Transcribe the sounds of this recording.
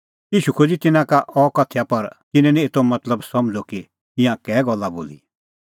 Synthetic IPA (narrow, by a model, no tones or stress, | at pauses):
jiːʃukʰod͡zit̪ɪnãkaʔɔkɐt̪ʰːjapɐɾt̪ɪnɛ̃nĩeːt̪omɐt̪ləbsɐmd͡zoki | ɪ̃jãkɛːɡɔlːabo̰ːlḭ